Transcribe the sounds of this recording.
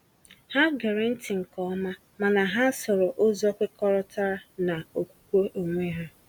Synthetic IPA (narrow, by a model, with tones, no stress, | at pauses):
ha˦ɡe˨ɾe˨n̩˦tɪ˨ŋ̩˨kɔ˦ma˦ | ma˨na˨ɦa˦sɔ˨ɾɔ˨ʔo˦zɔ˦kʷe˦kɔ˦ɾɔ˦ta˦ɾa˦na˨o˨kʷu̥˦kʷo˦ʔo˨ŋʷe˦ɦa˦